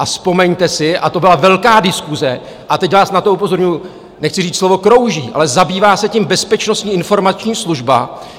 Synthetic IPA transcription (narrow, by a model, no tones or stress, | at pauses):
ʔaspo̞mɛɲt̪ɛsɪʔat̪o̞bɪlavɛlkaːdɪskuzɛ | ʔat̪ɛcvaːsnat̪oupo̞zo̞ɾɲuju | nɛxt͡sɪriːt͡sslovo̞kɾo̞wʒiːʔa̰lɛzabiːvaːsɛcimbɛspɛt͡ʃno̞st̪ɲiːɪnfo̞ɾmat͡ʃɲiːsluʒba̰